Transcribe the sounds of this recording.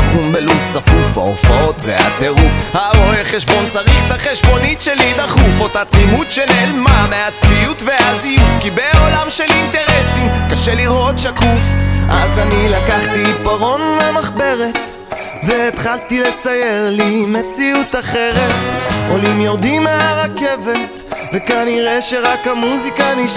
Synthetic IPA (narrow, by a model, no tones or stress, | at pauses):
χumbelust͡safufa̰o̰fao̞t̪vḛha̰t̪e̞ʁufhaboheχeʃbo̞nt͡saʁiχthaχeʃbo̞nitʃelid̪aχufo̞tat̪ʁimut̪ʃenelmameat͡sviutve̞azijufkibe̞o̞lamʃelint̪e̞ʁesimkaʃeliʁot̪ʃakufʔazanilakaχt̪ipaʁo̞nlamaχbe̞ʁe̞t̪ | veːt̪χalt̪ile̞t͡saje̞ʁlime̞t͡siut̪aχe̞ʁe̞t̪o̞limjo̞ʁd̪imeaʁake̞ve̞t | ve̞kaniʁeʃeʁakhamuzikani